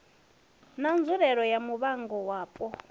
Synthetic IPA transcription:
nand͡zuɾɛɺɔjamuβaŋɡɔwaːpʼɔ

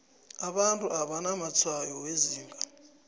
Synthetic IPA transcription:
aɓantʼuaɓanamat͡sʰwajɔweziːŋɡʱa

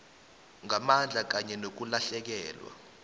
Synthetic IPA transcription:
ŋamand͡ɮʱak̬aɲɛnok̬ulaɬɛk̬ɛːlwa̰

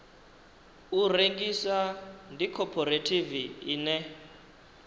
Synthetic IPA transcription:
ureŋɡisandikʰɔpʰɔɾetʰiviiːnɛ

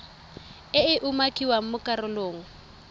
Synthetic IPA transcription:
ɪɪʔumakʼiwaŋ̩mʊkʼarʊloːŋ̩

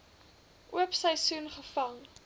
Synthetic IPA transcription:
ʔuəpsɐjsunχəfɐŋ

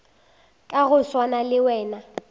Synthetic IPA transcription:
kʼaɣʊswanalɪwɛːna

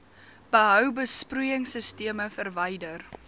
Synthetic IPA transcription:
b̥əɦœwbəsprujəŋsəstiəməfərvɐjdər

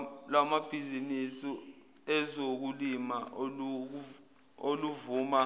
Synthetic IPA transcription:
lamab̥ʱizinisi | ɛzok̬ulimaʔoluk̬ | oluvuːma

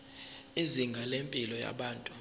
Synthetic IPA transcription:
iziŋɡʱalempʼilɔja̰ɓaːntʼu

